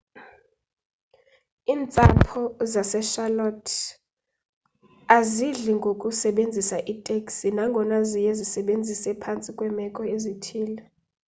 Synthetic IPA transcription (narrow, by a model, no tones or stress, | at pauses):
iːnt͡sʼapʰɔzasɛʃalɔtʰ | aziɮiŋɡʱokʼusɛɓend͡zʱisaʔitʼekʼsinaŋɡʱɔnazijɛzisɛɓend͡zʱisɛpʰant͡sʼikʼwɛmɛkʼɔezitʰiːlɛ